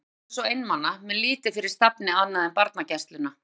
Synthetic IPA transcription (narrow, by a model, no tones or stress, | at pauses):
sɔejnːmanːamɛðliːt̪ɪfɪɾɪɾ̥st̪apnɪanːaðɛmpaɾt̪nacɛst̪lʏna